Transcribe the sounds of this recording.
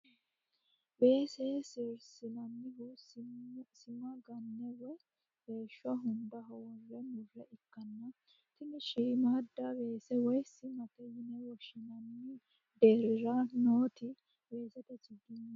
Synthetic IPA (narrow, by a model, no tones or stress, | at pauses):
be̞ːsɛsɪɾsɪnɐnːɪɡʊ | sɪmɐɡɐnːɛwɔj | beːʃːɔɦʊnd̪ɐɦɔwɔrːɛmʊrɐʔɪkːɐnːɐ | t̪ɪnɪʃimaːd̪ːɐbe̞ːsɛwɔjsɪmɐt̪ɛjɪnɛwɔʃɪnɐnːɪ | d̪eːɾɪɾɐnoːt̪ɪ | be̞ːsɛt̪ɛt͡ʃːɪɡ̪ɪnː